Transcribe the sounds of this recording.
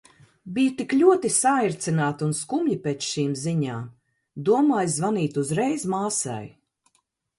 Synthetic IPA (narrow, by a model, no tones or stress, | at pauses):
bijut̪iklʲuɔt̪isaiɾt̪sinaːt̪unskumʎipɛːt͡ʃʃiːmziɲaːm | d̪uɔmaːjzvaniːt̪uzɾɛjzmaːsa̰j